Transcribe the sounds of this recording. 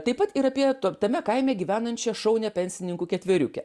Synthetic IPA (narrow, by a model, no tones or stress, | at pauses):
t̪ɐɪpɐt̪iɾɐpʲiɛt̪ot̪ɐmʲɛkɐɪmʲɛːɡʲiːʋʲæːnɐnʲt͡ʃʲɛʃɐʊnʲɛpʲɛnʲsʲɪnʲɪŋkuːkʲɛt̪ʲʋʲɪɾʲukʲɛ